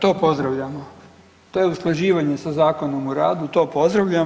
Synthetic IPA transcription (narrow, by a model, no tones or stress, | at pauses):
t̪o̞ːpo̞zd̪ɾaʋʎamo | t̪ojeusklˠaʒiːʋaɲe̞sazaːko̞nomuɾaːd̪ut̪o̞ːpo̞zd̪ɾaʋʎa